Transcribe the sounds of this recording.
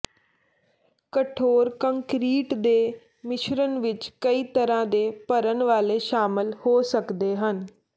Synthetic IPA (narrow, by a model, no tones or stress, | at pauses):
kəʈʰoːɾkəŋkɾiːʈd̪eː | mɪʃɾənʋɪt͡ʃkəiːt̪əɾãːd̪eːpəɾənʋaːleːʃaːmɪlhoːsəkd̪eːɦən